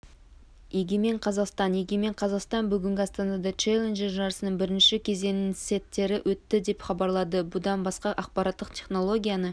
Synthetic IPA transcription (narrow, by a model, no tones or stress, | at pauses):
eɡʲeme̞ɴqʰɑzɑqst̪ɑnjeɡʲe̞me̞ɴqʰɑzɑqst̪ɑnbʏɡʲɪŋɡʲɪɑst̪ɑnɑd̪ɑt͡ʃelʲˠenʒeɾʒɑɾəsənəɴbɪɾɪnʃɪkʲʰe̞ze̞nɪnset̪ːe̞ɾɪwʔɵt̪ːɪd̪e̞pχɑbɑɾlˠɑd̪əbʊd̪ɑnbɑsqɑʔɑq̚pɑɾɑt̪ːəqt̪ʲʰe̞χno̞lˠo̞ɡʲijanə